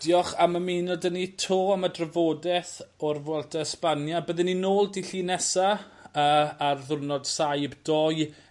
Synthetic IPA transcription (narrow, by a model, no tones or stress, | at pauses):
d̥jɔχaməmiːnɔdənitʰoːamadrəvoːdɛθɔrvwɛlˠtʰɛspanjabəðɪninoːlˠdiɬinɛsaəːarðʊrnɔd̥sajbdɔj